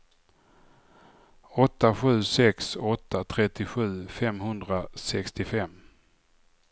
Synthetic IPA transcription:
ɔt̪ːaɧʉ̟ːsɛksɔt̪ːat̪ʰɾɛt̪ːɪɧʉ̟ːfɛmɦɵnd̪ɾasɛkst̪ɪfɛmː

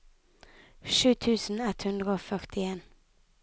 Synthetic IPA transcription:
ʂʉ̟ːt̪ʰʉ̟ːsənɛt̪ːhɵnd̪ɾəoːfœʁʈɪeːn

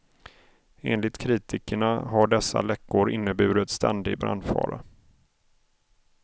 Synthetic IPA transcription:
ḛːnlɪt̪kʰɾiːt̪ɪkəɳaɦaɖɛsːa̰lɛkːʊɾʔɪnːəbʉ̟ːɾət̪st̪ʰɛnd̪ɪɡbɾa̰nd̪fɑ̰ːɾa

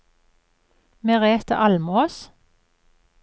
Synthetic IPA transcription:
meːʁeːt̪ə̰ʔɑlmoːs

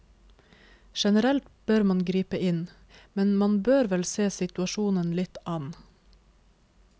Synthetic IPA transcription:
ʃɛnəɾɛlt̪b̥øɾmɑnɡɾiːpəʔɪn | mɛnmɑnbøːɾʋɛlseːsɪt̪ʉɑʃuːnənlɪt̪ʔɑn

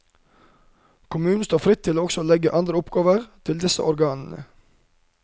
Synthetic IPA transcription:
kʰʊmʉːnn̩st̪oːfɾɪt̪ʰːɪloːɔksɔːlɛɡəʔɑnd̪ɾəʊpɡɑːʋəʁt̪ʰɪld̪ɪsə̰ʔɔɾɡɑːnnə̰

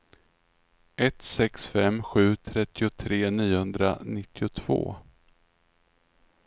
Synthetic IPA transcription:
ʔɛt̪sɛksfɛmːɧʉ̟ːt̪ʰɾɛt̪ːɪʊt̪ʰɾeːniːʊhɵnd̪ɾa̰nɪt̪ʰːɪʊt̪ʰv̥o̰ː

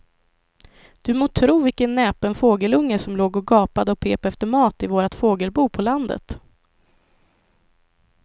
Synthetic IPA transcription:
d̪̥ɵmoːt̪ʰɾuːvɪkənːɛːpənfoːɡəlɵŋːəʂɔmloːɡɔɡɑːpad̪əɔpʰeːpɛft̪əɾmɑːt̪ɪvoːɾat̪foːɡəlbuːpʰɔland̪ə̰t̪

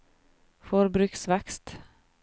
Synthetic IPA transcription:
fɔɾbɾʉksʋɛkst̪

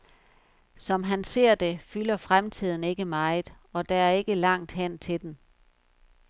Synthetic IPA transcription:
sɒ̽mɦænse̝ɐ̰d̥e̝fylɐfʁamt͡sʰið̰ˠn̩e̝ɡ̥əmɑ̈ɪð̩ˠ | ɒ̽d̥ɑ̈æɐe̝ɡ̥əlɑ̈ŋ̰d̥ɦæn̰t͡sʰe̝d̥n

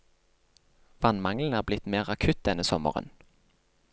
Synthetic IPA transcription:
ʋɑnmɑŋln̩æːʁblɪt̪meːʁɑkʰʉt̪̚d̪ɛnːəsɔmə̰ʁə̰n

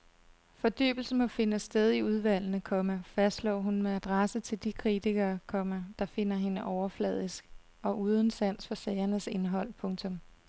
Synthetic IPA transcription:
fɒ̽d̥y̰ːb̥l̩səmɒ̽fe̝nəsd̥eð̞ˠiuð̞ˠʋæl̰nəkʰɒ̽mæfæsd̥slɒ̰ːɦunmeæd̥ʁasət͡sʰe̝ld̥ikʰʁit͡siɡ̥ɐːkʰɒ̽mæd̥ɑ̈fe̝n̰ɐɦe̝nəʔɒʊɐflɛ̰ð̞̰ˠisɡ̥ | ɒ̽ʔuːð̞ˠən̩sæn̰sfɒ̽sɛːɪɐnəse̝nɦɒ̽l̰pʰɔ̽ŋt͡sʰɔ̽m

